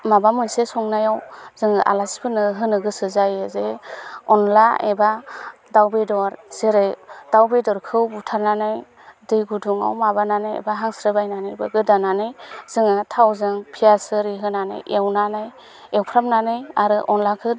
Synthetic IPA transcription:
mabamɯnsesɔŋnajawz̥ɯŋɯʔa̰lasi̥pʰɯnɯɦɯnɯɡɯsɯzajɯzeɔnlaeba | dawbedɔɾz̥eɾejd̥awbedɔɾkʰɯwbutʰaɾnanɯj | dɯjɡuduŋa̰wmabananɯjḛbaɦaŋsɾɯbajnanɯjbɯɡɯdananɯjz̥ɯŋɯtʰawzɯŋpʰijasɯɾiɦɯnanɯ̰jʔewnanɯj | ewpʰɾamnanɯjaɾɯʔɔnlakʰɯ

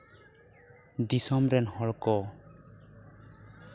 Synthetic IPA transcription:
d̪isɔmɾɛnhɔɭkɔ

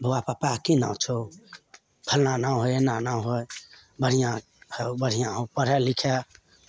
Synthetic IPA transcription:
bʱowapapakinã̰t͡ʃʰo | bʰʱəlnanaw̃ɦojenanawɦoj | bəɽ̤ijã | hebəɽ̤ijãɦõpəɾɛlikʰe

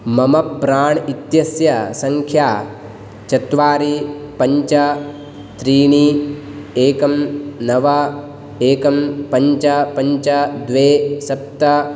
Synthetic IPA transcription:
mɐmɐpːɾaːɳit̪jɐsjɐsɐŋkʰjaː | t͡ʃɐt̪ʋaːɾipɐɲt͡ʃɐ | t̪ɾiːɳi | eːkɐmnɐʋɐ | eːkɐmpɐɲt͡ʃɐpɐɲt͡ʃɐd̪ʋeːsɐp̚t̪ɐ

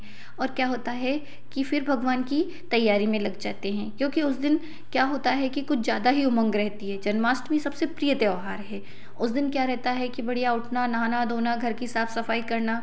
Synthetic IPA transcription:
ɔːɾkjaːɦoːt̪aɦɛ | kifɪɾbʱɐɡʋaːnki | t̪ɐjːaːɾimẽlɐɡd͡ʒaːt̪eɦɛ̃ːkjõːkiʊsd̪ɪn | kjaːɦoːt̪aɦɛkikʊt͡ʃʰzjaːd̪aɦiʊmə̃ŋɡɾɛɦt̪iɦɛːd͡ʒɐnmaːsʈmẽsɐbsepɾijət̪eoːɦaːɾɦɛː | ʊsd̪ɪnkjaːɾɛɦt̪aɦɛkibɐɽ̤ijaʊʈʰnanaːnad̪oːnaɡʱɐɾkiɦɪsaːfʰsɐfaːikɐɾna

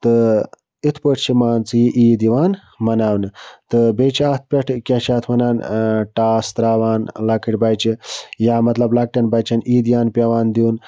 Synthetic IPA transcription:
t̪ɨ | it̪ʰpəʈʰt͡ʃʰimaːnt͡sɨjiʔiːd̪iʋaːn | mɐnaːwnɨt̪ɨbet͡ʃʰiaːt̪̚ʰpʲɐʈʰkʲɐt͡ʃʰaːt̪ʰʋɐnaːnʈaːst̪ɾaːʋaːnlɐkiʈʲbajt͡ʃijaːmɐt̪lɐblɐk̚ʈɐnbat͡ʃɐnʔiːd̪ijaːnpʲɐʋaːnd̪iun

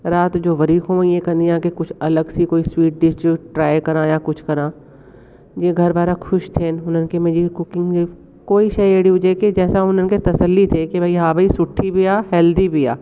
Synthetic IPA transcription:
ɾaːt̪d͡ʒoːʋɐɾiːkõʋãjekɐ̃nd̪iãːkekʊt͡ʃʰɐləɡsikoːiswiːʈ̚ɖɪsʈiʈɾaːjkɐɾãjakʊt͡ʃʰkɐɾãː | jeɡʱɐɾbaːɾakʰʊʃt̪ʰeːnʊnənkemẽd͡ʒikʊkɪ̃ŋɡi | koːiʃɐjeːɽiʊd͡ʒeked͡ʒɛːsaʊnənket̪ɐsəlːit̪ʰekebʱɐiɦaːbʱɐisʊʈʰːibʱijaːɦɛːld̪ibʱija̰ː

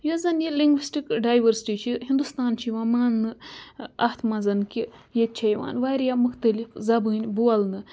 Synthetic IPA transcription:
jɐzɐnjiliŋɡʋisʈikɖaːjʋɐɾsi̥ʈit͡ʃʰiɦind̪ust̪aːnt͡ʃʰiʋɐmaːnːɨ | ɐht̪mɐzɐnkʲijet̪̚t͡ʃʰɐjʋa̰ːnʋaːɾjamuxt̪ɐlifzɐbɨːnʲbuɐlnɨ

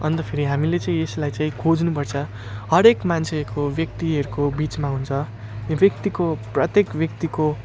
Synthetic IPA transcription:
ʌnt̪ʌpʰeɾiɦamilet͡saĩeslajt͡saĩkʰod͡znupʌrt͡sʰʌ | ɦʌɾekmant͡sʰeɾkobjʌk̚t̪iɦʌɾukobit͡smaɦunt͡sʰʌ | bjʌk̚t̪ikoprʌt̪jekbjʌk̚t̪iko

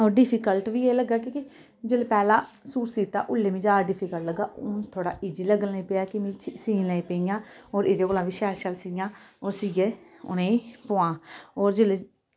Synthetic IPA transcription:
ɔːɾɖɪpʰiːkəlʈʋiːeːləɡaːkikɪ | d͡ʒelpɛːlaː | suːɾsiːt̪ːa̰ːʔʊlːeːmĩːd͡ʒaːɖɪpʰiːkəlləɡaːʔʊt̪ʰoːɽa̰ːʔɪd͡ʒiːləɡəlːĩpeːaːkɪmĩːt͡ʃsĩːləĩpeːiãːɔːɾɪd̪eːkoːlãːʋiːʃaːʃəlsiːɡãːɔːɾsiːɡeːʊ̰nẽpoːãːɔːɾd͡ʒeːle

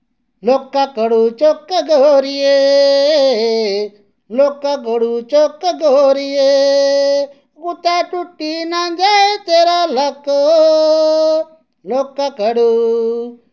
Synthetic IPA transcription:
loːkːakəɽut͡ʃoːkəɡoɾije | loːkakəɽut͡ʃokɡoɾijeː | kut̪aːʈʊʈːinãd͡ʒaet̪eːɾalɐko | loːkːakəɽu

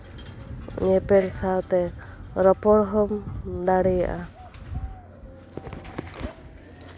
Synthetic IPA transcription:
ɲɛpɛɽsawt̪ɛɾɔpɔɽɦɔmd̪aɽɛja̰ʔa

